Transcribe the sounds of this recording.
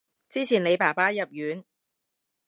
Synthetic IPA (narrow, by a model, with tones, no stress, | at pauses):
t͡siː˥t͡sʰiː˨˩nle˨˧jpaː˨˩paː˥jɐ˨p̚jyː˨˧˥n